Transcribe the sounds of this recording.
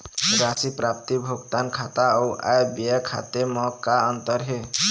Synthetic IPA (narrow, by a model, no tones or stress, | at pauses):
ɾasipɾap̚t̪ibʱoɡt̪ankʰat̪aɔʔa̰jbijakʰa̰t̪emɔkaʌnt̪ʌɾɦe